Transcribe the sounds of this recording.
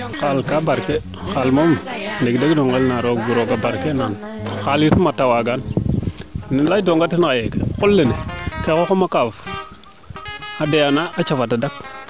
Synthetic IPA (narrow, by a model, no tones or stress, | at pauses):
xalkabaɾke | xalmomleɡdeɡdoŋɡelnaɾoɡbuɾoɡabaɾkenan | xalisumatawaɡan | nladoŋɡatinkajekekulːenekekokomakav | adejanaat͡ʃafatadak